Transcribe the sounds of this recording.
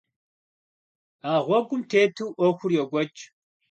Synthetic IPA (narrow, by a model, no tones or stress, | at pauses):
aːʁʷɔɡʷʊmtʰeːtʰuwʔɔxʷʊrjɛɡʷɔt͡ʃʼ